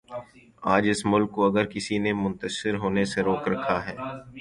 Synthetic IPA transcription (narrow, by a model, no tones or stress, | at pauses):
aːd͡ʒɪsmʊlkːoɐɡəɾkɪsinemʊ̃nt̪əʃɪɾɦoːneseɾoːkɾɐkʰaɦɛː